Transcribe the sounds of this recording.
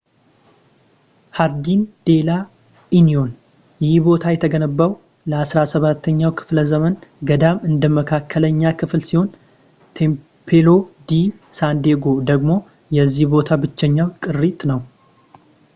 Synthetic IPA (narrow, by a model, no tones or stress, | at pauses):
haɾd̪ind̪̥e̞la | ʔinio̞n | jɪhbo̞t̪ʰajɛt̪ʰəɡənəbːəw | ləasɾasəβat̪ʰːəɲːawkʰɨ̥fləzəmənɡəd̪amɨnd̪əməkʰakʰːələɲːakʰɨflsiho̞n | t̪ʰem | pʰelo̞d̪isand̪eɡo̞d̪əɡmo̞ | jɛzːihbo̞t̪ʰabɨt͡ʃːɛɲːawkʼɨrːit̪nəw